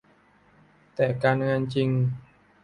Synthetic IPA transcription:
t̪ɛː˨˩kaː˧nŋaː˧nt͡ɕi˧ŋ

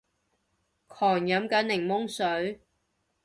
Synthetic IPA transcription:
kʰɔː˨˩ŋjɐ˨˥mkɐ˨˥nːɪ˨˩ŋmʊ˥ŋsɵ˨˥ɥ

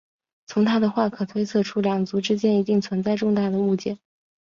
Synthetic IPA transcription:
t͡sʰʊ˧˥ŋt̪ʰa˥d̪ə˨xwa˥˩kʰɤ˨˩t̪ʰwe˥ɪt͡sʰɤ˥˩ʈ͡ʂʰu˥ljɑ˨˩ŋt͡su˧˥ʈ͡ʂɻ̩˥t͡ɕjɛ˥ni˧˥t̪i˥˩ŋt͡sʰwə˧˥nt͡sa˥˧ɪʈ͡ʂʊ˥˧ŋt̪a˥˩d̪ə˩u˥˧˩t͡ɕjɛ˥˩˦

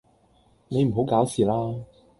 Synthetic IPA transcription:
ne˨˧jm̩˨˩ɦo˨˥wkaː˨˥wsiː˨˩laː˥

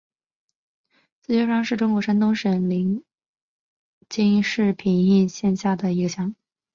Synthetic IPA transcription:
t͡sɹ̩˥˩t͡ɕʰɥɛ˥˧ʂɑ˥˧ŋʂɻ̩˥˩ʈ͡ʂʊ˥ŋkwɔ˧˥ʂa˥nt̪ʊ˥ŋʂə˧˥nli˧˥ŋ | t͡ɕi˥ŋʂɻ̩˥˩pʰi˧˥ŋi˥˧nɕjɛ˥˧nɕja˥˩d̪ə˩i˧˥ɡə˧˩ɕjɑ˧˥˦ŋ

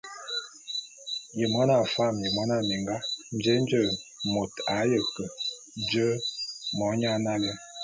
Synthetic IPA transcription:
jə˨mɔ˦na˨fa˦˨mjə˨mɔ˨˦na˦˨mi˨ŋɡa˦n˦d͡ʒə˦n˦d͡ʒə˦˨mo˨ta˨˦jə˨kə˨ | n˦d͡ʒə˦mɔ˨˦ɲa˦na˦lə˦

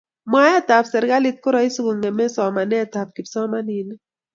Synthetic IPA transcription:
mwa˨˦ja˦ta˨psɛ˨ɾɪ˦ka˦lɪ˦t̚kʊ˦ɾa˦i˦su˦ɡu˨ŋɛ˨mɛ˦sɔ˨ma˨nɛ˦˨ta˨p̚ki˨psɔ˦ma˦ni˨nɛ˦

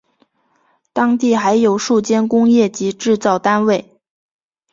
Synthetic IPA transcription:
t̪ɑ˥ŋt̪̬i˥˩xa˧˥ɪjo˨˩ʊʂu˥˩t͡ɕjɛ˥nkʊ˥ŋjɛ˥˩t͡ɕi˧˥ʈ͡ʂɻ̩˥˧t͡sɑ˥˩ʊt̪a˥nwe˥˩ɪ

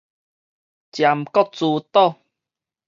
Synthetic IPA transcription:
t͡ɕja˨mkɔ˦t͡su˧t̪ɔ˥˧˨

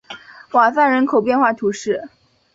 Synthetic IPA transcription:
wa˨˩sa˥˩nɻə˧˥nkʰo˨˩ʊpjɛ˥˧nxwa˥˩t̪ʰu˧˥ʂɻ̩˥˩

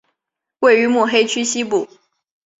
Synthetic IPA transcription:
we˥˩ɪy˧˥mu˥˩xe˥ɪt͡ɕʰy˥ɕi˥pu˥˩

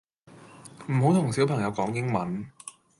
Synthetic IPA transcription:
m̩˨˩ho˨˥wt̪ʰʊ˨˩ŋsi˨˥wpʰɐ˨˩ŋjɐ˨˧wkɔː˨˥ŋjɪ˥ŋmɐ˨˦n

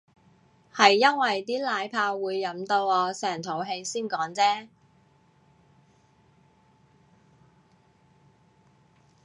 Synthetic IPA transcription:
hɐ˨jːɐ˥nwɐ˨jt̪iː˥laː˨˧jpʰaː˧wwuː˨˧jːɐ˨˥mt̪o˧wɔː˧sɛː˨˩ŋt̪ʰo˨˥wɦe˧jsiː˥nkɔː˨˥ŋt͡sɛː˥

